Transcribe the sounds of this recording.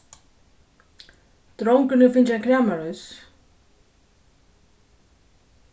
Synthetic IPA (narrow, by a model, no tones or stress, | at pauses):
t̪ɾowŋkʏnʏfɪnt͡ɕakʰɾaːmaɾœs